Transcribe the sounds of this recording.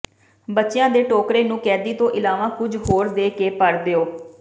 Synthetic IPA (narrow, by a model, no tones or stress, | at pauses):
bətːʃejãːd̪eːʈoːkɾeːnũːkɛːd̪iːt̪õːʔɪlaːʋãːkʊd͡ʒɦoːɾd̪eːkeːpəɽd̪eːoː